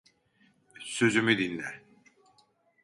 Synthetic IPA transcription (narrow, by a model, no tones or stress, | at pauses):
sø̞zymyd̪inlʲæɾ